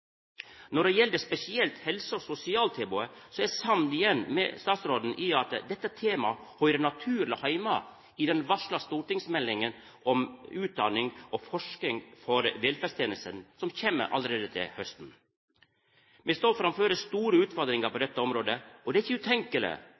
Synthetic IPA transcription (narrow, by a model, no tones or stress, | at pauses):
nɔɖɛjɛld̪əspɛsɪɛlt̪hɛlsəɔsʊsɪɑːlt̪ʰeːbʊəsɔæsɑnnɪjɛnːmɛ̰st̪ɑːt̪sɾoːd̪n̩ʔɪɑt̪d̪ɛt̪ːət̪ʰeːmɑhœʏɾənɑt̪ʰʉːɾləhɑɪmɑ̰ | ɪd̪ɛnʋɑʂɭɑst̪uːʈɪŋsmɛlːɪŋən | ʔɔmʉːt̪̚d̪ɑnɪŋɔfɔʂknɪŋfɔɾʋɛlfæst̪ʰeːnəst̪ənsɔmçeːmːə̰ɾʔɑ̰ləɾeːd̪ət̪ʰɪ̰lhœst̪n̩ | mɛst̪oːfɾɑmføːɾəst̪uːɾəʉːt̪fɔɾd̪ɾɪŋɑɾpɔd̪ɛt̪ːəɔmɾoːd̪əɔd̪ɛæɪçəʉt̪ʰɛŋkələ̰